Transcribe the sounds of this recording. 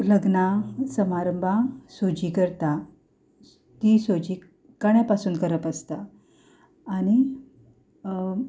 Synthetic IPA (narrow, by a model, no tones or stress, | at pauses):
ləɡnasəmaɾəmbʱasod͡ʑiːkəɾt̪a | t̪isod͡ʑiː | kaɽjapasuːnkəɾəpəst̪aː | ñi